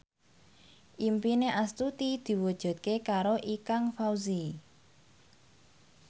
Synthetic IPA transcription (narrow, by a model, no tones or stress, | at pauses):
ʔimpineʔast̪ut̪id̪̥i̤wud̥ʒ̥ṳt̪̚kekaɾoʔikaŋfawzi